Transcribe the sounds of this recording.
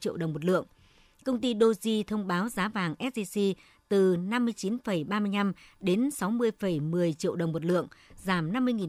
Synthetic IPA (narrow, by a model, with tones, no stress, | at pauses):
t͡ɕḭ˧˨əwɗə˨˩wŋ͡mmo˨˩t̚lɨ̰˧˨əŋ | kə˧wŋ͡mt̪i˧ɗo˧zi˧t̪ʰə˧wŋ͡mɓaː˨˦wzaː˨˦vaː˨˩ŋʔɛ˦˥t̚ɗi˧si˧ | t̪ɨ˨˩na˧mːɨ˧əjt͡ɕi˨˦nfə˧˩jɓaː˧mɨ˧əjna˧mɗe˨˦nsa˨˦wmɨ˧əjfə˧˩jmɨ˨˩əjt͡ɕḭ˧˨əwɗə˨˩wŋ͡mmo˨˩t̚lɨ̰˧˨əŋzaː˧˩mna˧mːɨ˧əjŋi˨˩